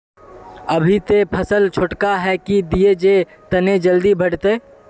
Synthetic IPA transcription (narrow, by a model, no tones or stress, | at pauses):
əbʱit̪epʰəsəlt͡ʃʰʊʈkaɦɛkid̪ied͡ʒe | t̪əned͡ʒəld̪ibʱəɽt̪eː